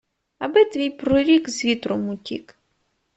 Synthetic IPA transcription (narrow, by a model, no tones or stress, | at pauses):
ɐbɪt̪ʋʲijpɾɔɾʲikzʋʲit̪ɾɔmʊtʲḭk